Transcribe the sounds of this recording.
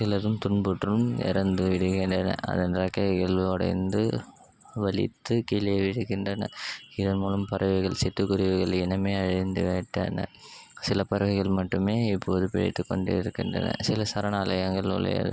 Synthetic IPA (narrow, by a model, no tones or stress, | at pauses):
sɪlɐðɯmt̪ʊɳbʊʈrɯmɛ̰ɾɐnd̪ɯʋɪɽɯɣɪndrɐnɐ̰ʔɐ̰ðɐnɾɐkːɐɣɐɭɔɽɐ̰ɪnd̪ɯ | ʋɐɭɪ̰t̪ːɯkiːlɪjɐʋɪɽɯɣɪndrɐnɐ̰ɪðɐnmuːlɐmpɐɾɐʋɐɪɣɐɭsɪt̪ːɯkːʊɾɪʋɯɣɐɭɛnɐmeːɐɻɪnd̪ɯʋeːʈːɐ̰nɐ̰sɪlɐpɐɾɯɣɐɪɣɐɭmɐʈːɯmeːɪpːoːðɯpɪɻɛ̰t̪ːɯkːɔɳɖɯɪɾɯkːɪndrɐ̰nɐ̰sɪlɐsɐɾɐnaːlɐjɐŋɡɐɭʊ̰ɭɐ̰ja̰ːðɯ̰